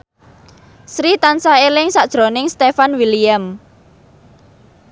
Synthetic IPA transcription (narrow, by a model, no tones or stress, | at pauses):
sɾit̪ansaelɪŋsaʔd̥ʒ̥ɾo̤nɪŋst̪efanwiliam